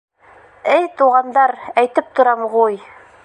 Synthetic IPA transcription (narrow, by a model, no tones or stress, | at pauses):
ɘjt̪uʁɑnd̪ɑɾæjt̪ɘp̚t̪ŏɾɑmʁuj